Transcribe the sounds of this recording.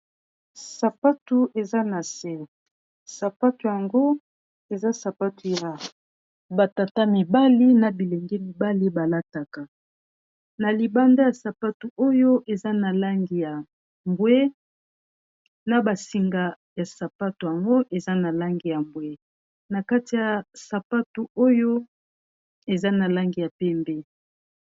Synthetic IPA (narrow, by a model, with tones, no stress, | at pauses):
sa˨pa˦tu˨ʔe˨za˦na˨se˦ | sa˨pa˦tu˨ja˨ŋɡo˦ | e˨za˦sa˨pa˦tu˨ja˨ | ba˨ta˨ta˦mi˨ba˦li˦na˨bi˨le˨ŋɡɛ˦mi˨ba˦li˦ba˨la˦ta˨ka˨ | na˨li˨ba˦nda˦ja˨sa˨pa˦tu˨o˦jo˦ʔe˨za˦na˨la˦ŋɡi˨ja˨ | mbwe˦ | na˨ba˨si˨ŋɡa˨ | ja˨sa˨pa˦tu˨ja˨ŋɡo˦ʔe˨za˦na˨la˦ŋɡi˨ja˨mbwe˦ | na˨ka˦ti˨ja˨sa˨pa˦tu˨o˦jo˦ | e˨za˦na˨la˦ŋɡi˨ja˨pɛ˦mbɛ˦